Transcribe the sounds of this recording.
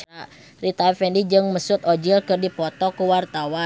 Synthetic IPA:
a | rit̪afɛndid͡ʒɨŋməsʊt̪od͡ʒilkɨrdipɔt̪ɔkuwart̪awa

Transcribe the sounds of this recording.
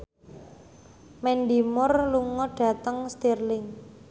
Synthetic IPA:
mɛnɖimʊrluŋɔɖ̥ä̤t̪əŋst̪irlɪŋ

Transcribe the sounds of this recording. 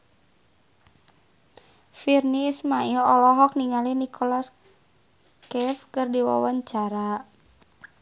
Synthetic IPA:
firniːsmailɔlɔɦɔk̚niŋalinikʰɔlas | kɛfkərdiwa̰waɲt͡ʃaɾa

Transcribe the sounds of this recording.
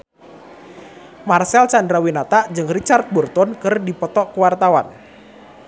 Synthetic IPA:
marsɛlsandɾawinat̪aʔd͡ʒɨŋrit͡ʃart̪̚burt̪ɔnkɨrdipɔt̪ɔʔkuwart̪awan

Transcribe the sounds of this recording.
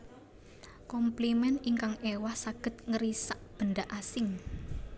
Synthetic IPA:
kɔmplimɛniŋkaŋewahsaɡ̥ə̤t̪̚ŋəɾisaʔ̚b̥ə̤nɖaʔasɪŋ

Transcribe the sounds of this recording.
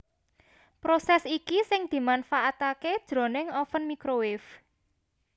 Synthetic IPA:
pɾosɛsikisɪŋd̪̥i̤manfaʔat̪aked̥ʒ̥ɾo̤nɪŋɔfənmikɾowɪf

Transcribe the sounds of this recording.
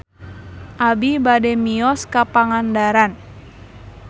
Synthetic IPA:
ʔabibadɛmiɔskapaŋandaɾan

